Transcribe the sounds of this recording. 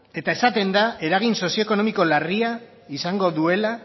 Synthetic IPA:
e̞t̪ae̞sat̪e̞nd̪ae̞ɾaɣ̞inso̞sioeko̞no̞miko̞laria | isaŋɡo̞ðue̞la

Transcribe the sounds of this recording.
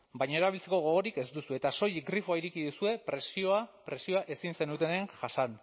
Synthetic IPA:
bajɲaeɾaβilt͡seko̞ɣo̞ɣoɾike̞zd̪usue̞t̪aso̞jiɡɾifoaiɾikiðusue̞pɾe̞sioapɾe̞sio̞aʔe̞sinse̞nut̪e̞ne̞ŋʝasan

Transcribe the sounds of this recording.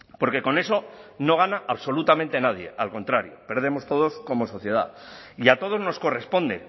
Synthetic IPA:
po̞ɾke̞ko̞ne̞so̞no̞ɣ̞anaʔaβso̞lut̪ament̪e̞naðje̞̰alko̞nt̪ɾaɾjo̰pe̞ɾð̞e̞mo̞st̪o̞ð̞o̞sko̞mo̞so̞θje̞ð̞a̰iat̪o̞ð̞o̞zno̞sko̞re̞spo̞nd̪e̞̰

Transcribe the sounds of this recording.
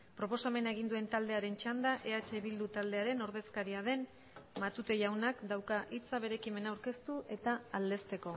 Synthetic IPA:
pɾo̞po̞same̞naeɣ̞ind̪ue̞nt̪ald̪e̞aɾe̞nt͡ʃand̪aʔe̞at͡ʃe̞βild̪ut̪ald̪e̞aɾe̞no̞ɾð̞e̞skaɾiað̞e̞n | mat̪ut̪e̞ʝawnakd̪awkaʔit͡saβ̞e̞ɾe̞kime̞nawɾke̞st̪uʔe̞t̪aːld̪e̞st̪e̞ko̞

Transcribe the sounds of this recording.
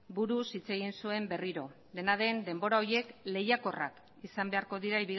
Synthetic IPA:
buɾusit͡se̞ɣ̞insue̞mbe̞riɾo̞ | d̪e̞naðe̞nd̪e̞mbo̞ɾao̞ɾje̞kle̞jako̞ra̰k | isambe̞aɾko̞ðiɾaiβi

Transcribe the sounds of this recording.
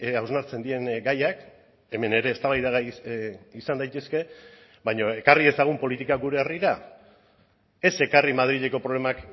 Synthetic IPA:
awznaɾt͡se̞nd̪ie̞ŋɡajak | e̞me̞ne̞ɾe̞ːst̪aβajðaɣa | isand̪ajt̪e̞ske̞ | bajɲo̞e̞karie̞saɣ̞umpo̞lit̪ikaɡuɾe̞ːriɾa | e̞se̞karimað̞ɾiʎe̞ko̞pɾo̞le̞mak

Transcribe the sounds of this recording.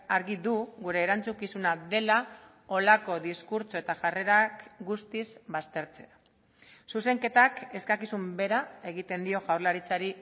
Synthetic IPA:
aɾɣiðuɣuɾe̞ːɾant͡sukisunaðe̞la | o̞lako̞ðiskuɾt͡so̞et̪aʝare̞ɾakɡust̪izβast̪e̞ɾt͡se̞a | suse̞ŋke̞t̪ake̞skakisumbe̞ɾae̞ɣit̪e̞nd̪io̞ʝawɾlaɾit͡saɾi

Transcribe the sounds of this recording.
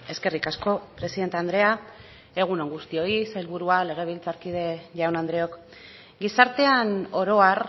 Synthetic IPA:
e̞ske̞rikasko̞pɾe̞siðe̞nt̪eand̪ɾe̞a | e̞ɣ̞unoŋɡust̪io̞isajlβuɾuale̞ɣ̞e̞β̞ilt͡saɾkið̞e̞ʝawnand̪ɾe̞o̞k | ɡisaɾt̪e̞ano̞ɾo̞ar

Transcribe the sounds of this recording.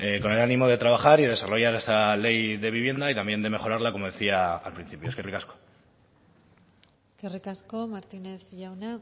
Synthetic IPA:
eko̞ne̞lanimo̞ð̞e̞t̪ɾaβ̞axaɾiðee̞saro̞ʝaɾe̞st̪ale̞jðe̞β̞iβ̞je̞nd̪ait̪ambje̞nd̪e̞me̞xo̞ɾaɾlako̞mo̞ð̞e̞θia̰ːlpɾin̟θipjoskerikasko̥ | skerikaskomaɾt̪ineθʝawna

